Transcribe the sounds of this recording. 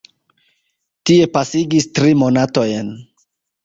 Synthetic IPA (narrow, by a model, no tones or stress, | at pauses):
tie̞pasiɡistɾimo̞nato̞jn